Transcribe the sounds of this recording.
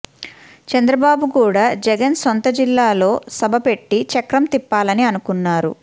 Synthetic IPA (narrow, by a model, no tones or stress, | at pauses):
t͡ʃɐnd̪ɾɐbaːbukuːɽaːd͡ʒɛɡɐnsont̪ɐd͡ʒilːaːlo̞ːsɐbʱɐpe̞ʈːit͡ʃɐkɾɐmt̪ipːaːlɐniɐnukunːaːɾṵ